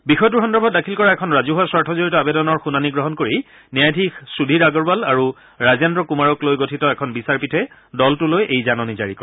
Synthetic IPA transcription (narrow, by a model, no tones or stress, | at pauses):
bixɔjɔt̬uɹxɔndɔɹbʱɔt̚dakʰilkɔɹaɛkʰɔnɹazuɦuaswaɹtʰɔzoɹitɔabedɔnɔɹxunaniɡɹɔɦɔnkoɹi | niajdʱixsudʱiɹaɡɔɹbalaɹu | ɹazandɹɔkumaɹɔklojɡotʰitɔɛkʰɔnbisaɹpitʰɛ | dɔltulojʔejzanɔniza̰ɹikɔ̰ɹ